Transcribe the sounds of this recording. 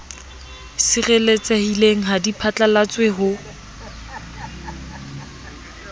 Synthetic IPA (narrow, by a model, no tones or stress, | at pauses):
sɪrelet͡sahileŋ̩ɦadipʰat͡ɬʼalat͡sweɦʊ